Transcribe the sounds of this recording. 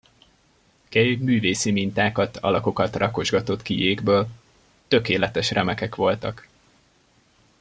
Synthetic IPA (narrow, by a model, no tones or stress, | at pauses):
kɛjyɡmyːveːsimint̪aːkɒt̪ʰɒ̰lɒko̞kɒt̪rɒko̞ʒɡɒt̪o̞t̪kijeːɡbøːl | t̪ø̞keːlɛt̪ɛʃrɛmɛkɛkʋo̞lt̪ɒk